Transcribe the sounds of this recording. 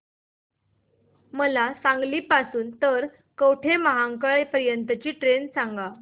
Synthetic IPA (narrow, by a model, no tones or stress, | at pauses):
məlasãŋɡliːpasuːnt̪əɾ | kəwʈʰeməɦaŋkəɭepəɾjənt̪ət͡ɕiːʈɾensaŋɡa